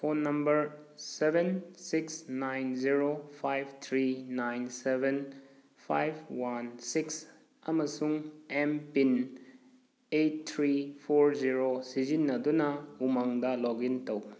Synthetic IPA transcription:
pʰonːɐmbɐɾsebensiksnajnziɾopʰajbt̪ʰɾinajnseben | pʰajbwansiks | ɐmɐsuŋempin | et̚tʰːɾipʰoɾziɾosizinːɐdunɐumaŋdɐlɔɡintɐw

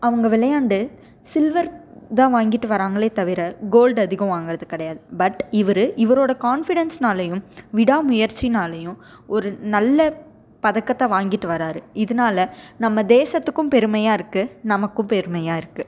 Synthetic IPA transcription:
ɐʋɐŋɡɐʋɪlɐjaːɳɖɯ | sɪlʋɐɾt̪ãːʋaːŋɡɪʈːɯʋɐɾaːŋɡɐɭeːt̪ɐʋɪɾɐɡoːlɖɐðɪɣɐ̃ʋaːŋɡɪɾɐðɯkɪɽɐjaːðɯbɐʈːɪʋɐɾɯʔɪʋɐɾoːɽɐkaːnfɪɽɐnsnaːlɐjɯ̃mʋɪɽaːmʊjɐɾt͡ʃinaːlɐjɯ̃ | ɔɾɯnɐlːɐ | pɐðɐkːɐt̪ːãːʋaːŋɡɪʈːɯʋɐɾaːɾɯɪðɐnaːlɐnɐmːɐd̪eːsɐt̪ːɯkːɯ̃mpɛɾɯmɐjaːɪɾɯkːɯnɐmɐkːɯ̃mpɛɾɯmɐjaːɪɾɯkːɯ

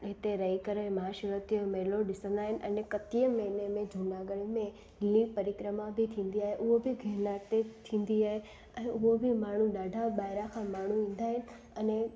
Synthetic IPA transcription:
ɦɪt̪eɾɐikəɾəmɐɦaːʃəɾət̪ijəmeːloɗɪsə̃nd̪aːɦɪnɪ̆ʔɐnekɐt̪iəmɐɪnemẽd͡ʒʱuːnaːɡəɽimẽ | lĩpɐɾikɾəmabʱɪt̪ʰĩːnd̪iaːɦeʔʊɦobɪɡʱeːnat̪et̪ʰĩːn̆d̪iaːɦe | ɛ̃ːʔʊɦobʱɪmaːɳ̤ũɗaːɖʱaɓaːɪɾakʰãmaːɳ̤uʋĩːn̆d̪aːɦɪnɪ̆ | ɛne

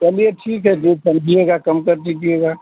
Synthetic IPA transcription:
kɛlieʈʰiːkɦɛd͡ʒosɐmd͡ʒʱieɡakɐmkəɾt̪ikieɡa

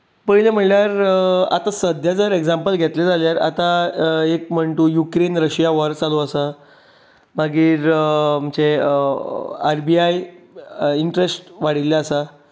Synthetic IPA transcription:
pəɭilem̤əɳljaɾa̰t̪asəd̪ʱjad͡zəɾeɡd͡zampəlɡʱet̪led͡zaljaɾa̰t̪aek̚m̤əɳʈ̪uːjukɾenɾəɕijaʋəɾt͡saluəsa | maɡiːɾm̤ət͡ɕe | aɾbiaj | iɳʈɾesʈʋaɽ̤ilːaːsa

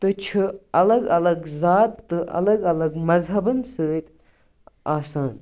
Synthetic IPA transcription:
t̪ɨt͡ʃʰɨɐlɐɡɐlɐɡzaːt̪ːɨʔɐ̰lɐɡɐlɐɡmɐzɦɐbɐnsəːt̪ʲ | aːsaːn

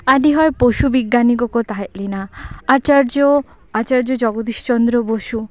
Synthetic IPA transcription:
aɖiɦɔepoʃubiɡːanikɔkɔt̪aɦet̪linaat͡ʃaɾd͡ʒo | at͡ʃaɾd͡ʒɔd͡ʒɔɡɔd̪iʃt͡ʃɔnd̪ɾɔboʃu

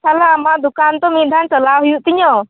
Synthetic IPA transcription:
sʰalaːmaʔd̪ukant̪ɔmid̪ʱant͡ʃəlaɦujuʔt̪iɲɔ

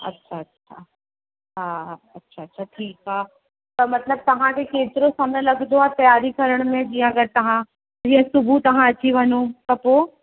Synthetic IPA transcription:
ɐ̰tːʃʰaɐtːɕʰʃʰa | ɦaːɐtːʃʰaɐtːʃʰaʈʰiːkɦaː | t̪ɐmɐt̪ləb̚t̪ɐɦãkekẽːt̪ɾõsɐmnẽlɐɡd̪oat̪ɐjaːɾikɐɾəɽ̃mẽd͡ʑiɦãɐɡɐɾt̪ɐɦã | d͡ʒiɦãsʊbʱut̪ɐɦãɐt͡ʃʰiʋʱɐnukɐpo

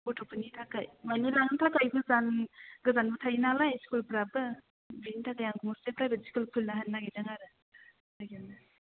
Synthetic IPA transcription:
bɔtʰopʰɯnitʰakajmanilaŋnɯtʰakajbɯzanɡɯzanbɯtʰajinalajskulpɾabɯ | binitʰakajaŋɡɯmɔstepɾajbɯsi̥kulpʰɯlnaɦanːaɡizaŋaɾɯ | aɡaŋna

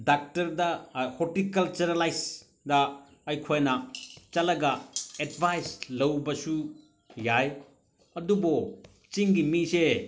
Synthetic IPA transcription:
dak̚tɐɾdɐhotikɐlt͡ʃɐɾɐlajs | dɐ | ɐjkʰojnɐt͡ʃɐlɐɡɐedbʱajslɐwbɐsu | jaj | ɐdubo | t͡ʃiŋɡimise

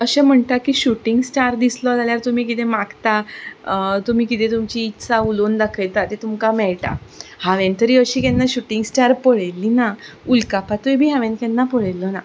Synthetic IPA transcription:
əɕɛ̃m̤əɳt̪akːiːɕuʈiŋɡsʈaɾd̪islɔd͡zaljaɾt̪um̤iːkit̪emaɡt̪a | t̪um̤iːkit̪ʰẽt̪umt͡ɕiːt̪t͡saulond̪akʰəjt̪at̪et̪umkamɛɭʈa̰haʋɛ̃nt̪əɾiːəɕiːkɛnːaɕuʈĩŋɡsʈaɾpəɭelːinaulkapat̪ubʱiːɦãʋɛ̃nkɛ̃nːapəɭelːɔna

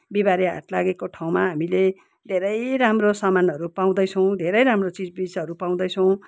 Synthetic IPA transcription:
biβaɾiɦa̰ʈlaɡekoʈʰaw̃maɦamile | d̪ʱeɾʌjɾamrosamanʌɾupaw̃d̪ʌjt͡sʰʌw̃d̪ʱeɾʌjɾamrot͡sid͡zbit͡sʌɾupaw̃d̪ʌjt͡sʰʌw̃

